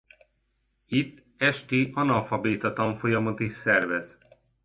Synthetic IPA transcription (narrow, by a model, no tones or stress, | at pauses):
it̪ː | ɛʃt̪iʔɒnɒlfɒbeːt̪ɒt̪ɒɱfo̞jɒmot̪iʃsɛrvɛz